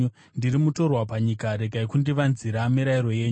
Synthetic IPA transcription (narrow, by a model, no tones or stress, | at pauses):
ndiɾimuto̞rwapaɲikaɾe̞ɡaikundiʋanziɾamiɾaiɾo̞je̞ːɲu